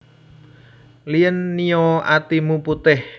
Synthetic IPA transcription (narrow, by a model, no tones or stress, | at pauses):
lijənːioat̪imuput̪ɪh